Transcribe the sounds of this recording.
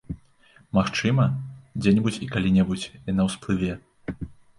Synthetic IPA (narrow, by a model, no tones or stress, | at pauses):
maxt͡ʂɨmɐd͡zʲɛnʲɛbut͡sʲikalʲinʲɛbut͡sʲinɐwsplˠɨvʲɛ